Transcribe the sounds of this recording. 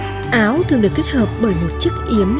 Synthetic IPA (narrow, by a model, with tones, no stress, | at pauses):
ʔaː˨˦wt̪ʰɨ˨ŋɨ˨˩k̚i˦˥k̚həː˨˩p̚ɓəː˧˩jmo˨˩t̚t͡ɕɨ˦˥k̚ʔi˨˦əm